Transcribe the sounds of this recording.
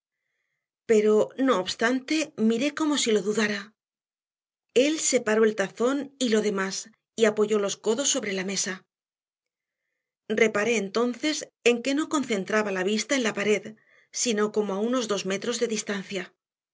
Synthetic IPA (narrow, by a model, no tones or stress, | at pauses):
pe̞ɾo̞no̞ːβst̪ant̪e̞miɾe̞ko̞mo̞silo̞ðuðaɾa | e̞lse̞paɾo̞e̞lt̪aθo̞nilo̞ðe̞mas | iapo̞ʝo̞lo̞sko̞ðo̞sːo̞βɾe̞lame̞sa | re̞paɾe̞ːnt̪o̞nθe̞se̞ŋke̞no̞ko̞nθe̞nt̪ɾaβalaβ̞ist̪ae̞nlapaɾe̞ð | sino̞ko̞moauno̞zðo̞zme̞t̪ɾo̞zðe̞ðist̪anθja